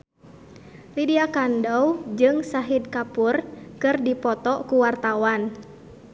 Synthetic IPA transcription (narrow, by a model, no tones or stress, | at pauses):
lidiakandɔwd͡ʒɨŋsaɦid̪̚kapurkɨrdipɔt̪ɔkuwart̪awan